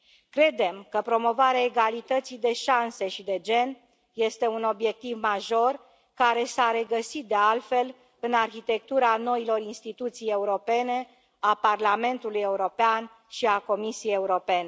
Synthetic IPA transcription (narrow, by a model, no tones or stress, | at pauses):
kɾe̞d̪e̞mkəpɾo̞mo̞vaɾeaeɡalit̪ət̪sid̪e̞ʃanse̞ʃid̪e̞d͡ʒe̞n | je̞st̪e̞uno̞bje̞k̚t̪ivmaʒo̞r | kaɾe̞saɾe̞ɡəsit̪̚d̪e̞alfe̞l | ɨnarçit̪e̞k̚t̪uɾano̞ilo̞rinst̪it̪ut̪sije̞uɾo̞pe̞ne̞ | aparlame̞nt̪uluje̞uɾo̞pean | ʃiako̞misieje̞uɾo̞pe̞ne